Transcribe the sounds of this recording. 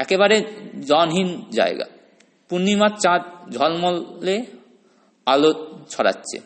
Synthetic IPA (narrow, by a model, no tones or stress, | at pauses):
ɛkeβaɾed͡ʑɔnɦind͡ʑa̰eɡa̰ | punːimatt͡ɕãt̪̚d͡ʑʱɔlmɔlːe | alot͡ɕʰɔɽa̰tːɕʰḛ